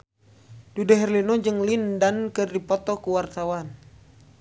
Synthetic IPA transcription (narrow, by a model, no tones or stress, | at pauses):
dudɛɦɛrlinɔd͡ʒɨŋlindankɨrdipɔt̪ɔkuwart̪awan